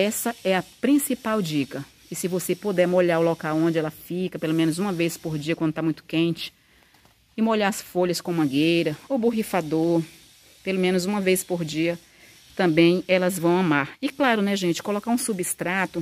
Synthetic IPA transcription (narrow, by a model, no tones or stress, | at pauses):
ɛsɐɛɐpɾĩsipawd͡ʒikɐ | ɪsɪvosepod̪ɛɾmoʎaɾolokawõnd͡ʒɪɛlɐfikɐpelomẽnʊzũmɐvejspoɾd͡ʒiɐkwɐ̃d̪ʊt̪amũj̃t̪ʊ̥kẽnt͡ʃɪ̥ | ɪmoʎaɐsfoʎɐskõmɐ̃ɡejɾɐobuɦifad̪oɾ | pelomẽnʊzũmɐvespoɾd͡ʒiɐ | t̪ɐ̃mbẽj̃ɛlɐzvɐ̃w̃ɐmaɾɪklaɾʊnɛʒẽt͡ʃɪ̥kolokaɾũsubist̪ɾat̪ʊ